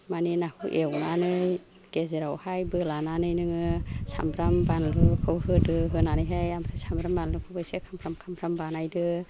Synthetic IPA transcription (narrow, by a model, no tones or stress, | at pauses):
maninahṵʔewnanɯj | ɡ̥ezeɾawhajbɯlananɯjnɯŋɯsa̰mbʰɾambanlɯkʰɯwhɯdɯɦɯnanɯjɦajamɾɯsambɾambanlɯkʰɯwbɯjsekʰampʰɾamkʰampʰɾambanajdɯ